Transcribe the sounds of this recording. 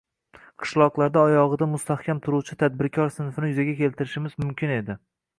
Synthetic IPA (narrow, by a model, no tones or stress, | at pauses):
qʰɨ̥ʃlˠɒqlˠaɾd̪aɒjɒʁɨd̪amʊst̪ʰahkʲʰamt̪ʰʊɾuwt͡ʃʰɪt̪ʰad̪̚bɪɾkʲʰɒɾsɪnfɪnɪjʊzaɡʲakʲʰe̞lt̪ʰɪɾɪʃɪmɪzmʊmkʲʰɪne̞d̪ɪ